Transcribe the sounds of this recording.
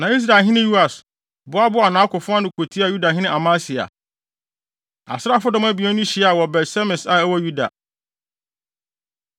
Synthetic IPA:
nã˨i˦s̬ɾa˨ɦɪ̃˦nɪ̃˦ju˦a˨s | bʊ˦a˦bʊ˦a˨nã˨˦kʊ˨fʊ̃˦a˦nʊ̃˨kʰo˨tʰi˦a˨ju˦da˨ɦɪ̃˦nɪ̃˦a˨mã˦sɪ˨a̰˨ | a̰˨sɾa˦fʊ˦dɔ̃˦mæ˦bi˨ɛ˦nʊ̃˦ɕi˨˦a˨wɔ˨bɛ˨tsɛ˦mɪ̃˨sa˨æ˦wɔ˦ju˦da̰˨

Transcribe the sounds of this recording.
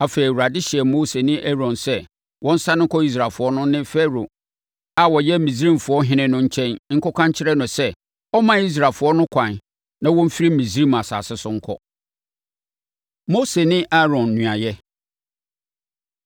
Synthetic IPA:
a˨feː˨i˨wu˨ɾa˨dɪ˦ɕɪ˨ɛ˨mo˦se˨nɪ̃˦ʔæ˦ɾɔ̃˨nsɛ˦ | wɔ̃˦n̩˦sa˦nɪ̃˦ŋ̩˦kʰɔ˦i˦s̬ɾa˨lfʊ˨˦ɔ˦nʊ̃˦nɪ̃˦fɛ˦ɾo˨ | a˨wɔ˨jɛ˦˨mĩ˨s̬i˦ɾĩ˦m˨fʊ˨ɔ˦ɦɪ̃˦nɪ̃˦nʊ̃˦ɲ̩˦t͡ɕʰɛ̃˦n˦ŋ̩˦kɔ˦kʰã˦ɲ˦t͡ɕʰɪ˦ɾɛ˦nʊ̃˨sɛ˦ | ɔ˦mã˨i˦s̬ɾaː˨lfʊ˨˦ɔ˦nʊ̃˦kʷʰã˨n | nã˦wɔ̃˦m̩˦fi˦ɾi˦mĩ˨sɾi˦ma˨sa̰ː˨sɪ˦sʊ˦ŋ̩˦kʰɔ̰˦ | mo˦se˨nɪ̃˦ʔa˦ɾɔ̃˨nː˨ũ˨a˨jɛ˦

